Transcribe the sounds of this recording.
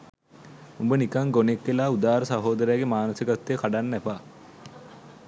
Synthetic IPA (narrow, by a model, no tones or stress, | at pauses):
umbənikaŋɡonekːelaːud̪aːɾəsaɦoːd̪əɾeːɡemaːnosikat̪ːeːkaɖanːæpaː